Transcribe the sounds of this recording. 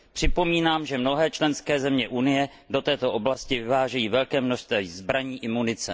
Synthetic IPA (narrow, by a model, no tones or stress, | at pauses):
pr̝̥ɪpo̞miːnaːmʒɛmno̞ɦɛːt͡ʃlɛnskɛːzɛmɲɛʔunɪjɛ | do̞t̪ɛːt̪o̞ʔo̞blascɪvɪvaːʒɛjiːvɛlkɛːmnoʃst̪vɛzbɾaɲiːʔɪmunɪt͡sɛ